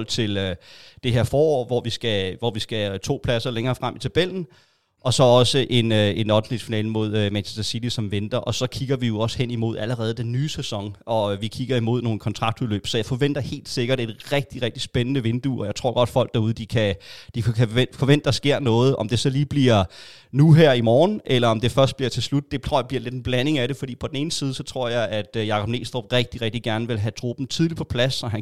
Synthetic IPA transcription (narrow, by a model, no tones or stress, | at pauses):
l̰t͡sʰe̝lød̥e̝ɦe̝ɐfɒːɒ̰ːʋɒʋisɡ̥æʋɒʋisɡ̥æt͡sʰo̝̰ːpʰlæsɐleŋɐːfʁamʔit͡sʰæb̥el̰n̩ | ʔɒ̽sɒ̽ɒ̽səʔe̝nøe̝nɒdn̩lid̥finɛ̰ːləmo̝ð̞̰ˠømænɕʰe̥stəsid̥isɒ̽mʋend̥ɐʔɒ̽sɒ̽kʰiɡ̥ɐʋijo̝ɒ̽shen̰imo̝ð̞̰ˠæləʁɛːð̞̩ˠd̥enːyːsesɒ̽ŋɒ̽ʋikʰiɡ̥ɐimo̝ð̞̰ˠno̝ːn̩əkʰɒ̽nt͡sʰʁɑ̈ɡ̥̚d̥uðˠlø̰ːb̥sɒ̽jäɪfɒ̽ʋen̰d̥ɐhe̝̰ːld̥se̝ɡ̥ɐɾ̥e̝d̥ʁɛɡ̥̚d̥iʁɛɡ̥̚d̥isb̥enənəʋe̝nd̥uɒ̽jɑ̈ɪt͡sʰʁo̝ɐ̰ɡ̥ɒ̽d̥fɒ̽l̰ɡ̥̚d̥ɑ̈uð̞ˠd̥ikʰæd̥ikʰefɒ̽ʋen̰d̥d̥ɑ̈sɡ̥e̝ɐ̰nɔ̽ːð̞̩ˠʔɒ̽md̥e̝sɒ̽liːb̥liɐ̰ | nuɦæɐ̰imɒːn̩ʔelɐɒ̽md̥e̝fɶɐsd̥b̥liɐt͡sʰe̝lslud̥̚d̥e̝̥ʁö̰bliɐle̝d̥enb̥læne̝ŋæɾe̝fɒ̽d̥ḭːpʰɒ̽d̥en̩e̝ːn̩siːð̞ˠəsɒ̽t͡sʰʁo̝ɐ̰jɑ̈ɪʔæd̥jɑ̈ːkʰɒ̽b̥̚ne̝̰ːsd̥ʁo̥ʁɛɡ̥̚d̥iʁɛɡ̥̚d̥iɡ̥æɐnəʋe̝lɦæt͡sʰʁo̝̰ːb̥n̩t͡sʰið̞ˠlipʰɒ̽pʰlæsɒ̽ɦæn